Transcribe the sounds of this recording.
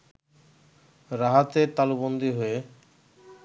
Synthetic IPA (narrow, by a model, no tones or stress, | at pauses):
ɾaɦat̪eɾt̪alubond̪iɦoe